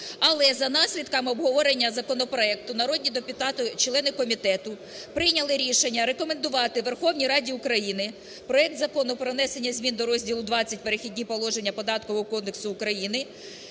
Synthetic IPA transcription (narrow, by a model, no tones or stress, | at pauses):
ɐlˠɛzɐnɑsʲlʲid̪kɐmɔbɦɔʋɔɾenʲːɐzɐkɔnɔpɾɔɛk̚t̪ʊnɐɾɔd̪ʲnʲid̪epʲʊt̪ɑt̪ʊt͡ʃlˠɛnɪkɔmʲit̪ɛt̪ʊ | pɾɪjnʲɐlˠɪɾʲiʃenʲːɐɾe̞kɔme̞nd̪ʊʋɑt̪ɪʋerxɔwnʲijɾɑdʲiʊkɾɐjinɪ | pɾɔɛk̚t̪zɐkɔnʊpɾɔnɛsenʲːɐzʲmʲind̪ɔɾɔzʲdʲilˠʊd̪ʋɑt͡sʲɐtʲpe̞ɾexʲidʲnʲipɔlˠɔʒe̞nʲːɐpɔd̪ɑt̪kɔʋɔɦɔkɔd̪d̪eksʊːkɾɐjinɪ